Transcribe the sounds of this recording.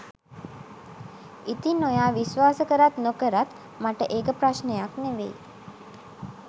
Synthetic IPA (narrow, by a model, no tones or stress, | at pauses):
it̪inːojaːʋisʋaːsəkəɾat̪nokəɾat̪ | maʈəʔeːkəpɾasnejakneʋḛj